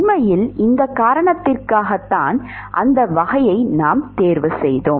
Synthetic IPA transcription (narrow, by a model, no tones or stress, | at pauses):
mɐjɪlʔɪnd̪ɐkːaːɾɐɳɐt̪ːɪrkaːɣɐt̪ːaːn | ʔɐ̰nd̪ɐʋɐɣɐjɐɪnaːmt̪eːɾʋɯsɛjðoːm